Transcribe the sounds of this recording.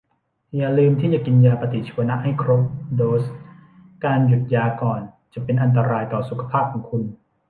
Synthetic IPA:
ja˨˩lɯː˧mt̪ʰiː˥˩t͡ɕa˨˩ki˧njaː˧pa˧t̪i˨˩t͡ɕʰiː˧˦ɐ˧na˦˥ʔha˥˩jkʰɾo˦˥p̚doː˦˧js | kaː˧nju˨˩t̪̚jaː˧kɔː˨˩n | t͡ɕa˨˩pe˧nʔa˧nt̪̬a˧ɾaː˧jt̪ɔː˨˩su˨˩kʰa˧pʰaː˥˩p̚kʰɔː˩˦ŋkʰu˧n

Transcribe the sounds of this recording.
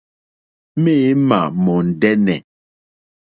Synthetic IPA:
me˦ma̰˨mɔ˨n̩˨dɛ˦nɛ˨

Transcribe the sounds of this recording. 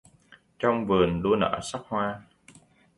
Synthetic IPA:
t͡ɕɔ˧wŋ͡mvɨ˨˩ənɗu˧ənə̰ː˧˥sa˦˥k̚hwaː˧

